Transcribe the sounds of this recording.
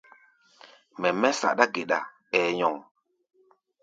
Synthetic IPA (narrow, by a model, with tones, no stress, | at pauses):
mɛ˨mɛ˦sa̰˨ɗa˦ɡe˨ɗa̰˨ | ɛː˨ɲɔ˨ŋ